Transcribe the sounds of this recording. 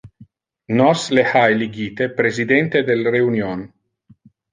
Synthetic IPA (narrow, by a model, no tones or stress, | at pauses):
nɔslehajliɡiːt̪epɾezid̪ɛnt̪ed̪elɾeunjon